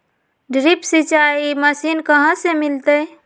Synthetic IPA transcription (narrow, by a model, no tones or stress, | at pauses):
ɖɾipsit͡ʃaeiməsinkəɦə̃semilt̪ə